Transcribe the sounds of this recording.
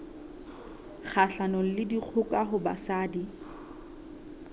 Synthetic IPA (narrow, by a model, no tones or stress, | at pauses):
k͡xʰaɬanɔl̩lɪdik͡xʰʊkʼaɦʊba̰saːdi